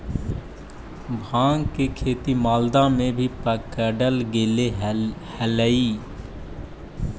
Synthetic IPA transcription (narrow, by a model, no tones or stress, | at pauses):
bʱãːŋɡkekʰeːt̪imaːld̪amẽbʱipəkəɖəlɡeːlehələiː